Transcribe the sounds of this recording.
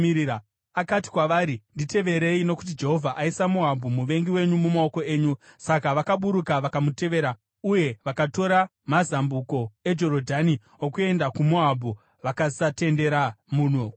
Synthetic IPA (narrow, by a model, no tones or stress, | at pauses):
a | akati̥kwaʋaːɾindite̞ʋe̞ɾe̞ino̞ku̥t̬id͡ʒe̞ɦo̞vʱaʔaisamoɦabʱumuʋe̞ŋɡiwe̞ɲumumao̞ko̞e̞ːɲusakaʋakaɓuɾukaʋakamute̞ʋe̞ːɾa | uje̞ʋakato̞ɾa | mazambuko̞e̞d͡ʒo̞ɾodʱani | okue̞ndakumoɦabʱu | ʋakasate̞nde̞ɾamuːno